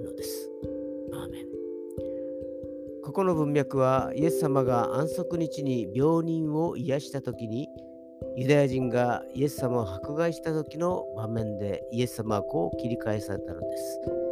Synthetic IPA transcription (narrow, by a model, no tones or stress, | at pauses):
nod̪e̞sɨ̥ | aːmẽ̞ŋ | ko̞ko̞no̞bɯ̟̃mːjakɯ̟βaḭe̞sːamaɡaʔãɰ̃so̞kɯ̟ɲ̟it͡ɕiɲ̟ibʲjo̞ːɲ̟ĩɰ̃o̞ʔijaɕi̥t̪at̪o̞kʲiɲ̟i | jɯ̟d̪ajaʑĩŋɡaie̞sːamao̞hakɯ̟ɡaiɕi̥t̪at̪o̞kʲino̞bamẽ̞nd̪e̞ie̞sːamaβako̞ːkʲiɾʲikaesaɾe̞̰t̪ano̞̰d̪e̞sɨ̥